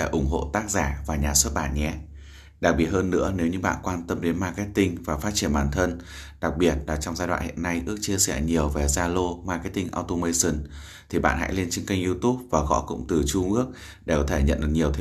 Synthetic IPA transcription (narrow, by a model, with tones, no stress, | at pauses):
e˧˩ʔʊ˧˩ŋ͡mɦo̰˧˨t̪aː˦˥k̚zaː˧˩vaː˨˩ɲaː˨˩swə˦˥t̚ɓa̰ː˧˨nɲɛ˨˦ | ɗa˨˩k̚ɓi˨˩ət̚həː˧nːɨ̰˧˥əne˨˦wɲɨ˧ɓa̰ː˧˨nkwaː˧nt̪ə˧mɗe˨˦nmaː˧kɛ˦˥t̚t̪ï˧ŋvaː˨˩faː˦˥t̚t͡ɕi˧˩ənɓaː˨˩nt̪ʰə˧n | ɗa˨˩k̚ɓi˨˩ət̚laː˨˩t͡ɕɔ˧wŋ͡mzaː˧jɗwa̰ː˧˨hḭ˧˨ənːa˧jʔɨ˦˥ək̚t͡ɕi˧əsɛ˧˩ɲi˨˩əwve˨˩zaː˧lo˧maː˧kɛ˦˥t̪ï˧ŋʔa̰ː˧wt̪o˧mə˧jsə˨˧˩n | t̪ʰi˨˩ɓa̰ː˧˨nha̰˧˥jle˧nt͡ɕi˧ŋka˧jŋʔzi˧t̪u˦˥p̚vaː˨˩ɣɔ̰˧˥kʊ̰˧˥ŋ͡mt̪ɨ˨˩t͡ɕu˧ŋʔɨ˦˥ək̚ | ɗe˧˩kɔ˨˦t̪ʰe˧˩ɲə̰˧˨nɗɨ̰˨˩ɲi˨˩əwt̪ʰ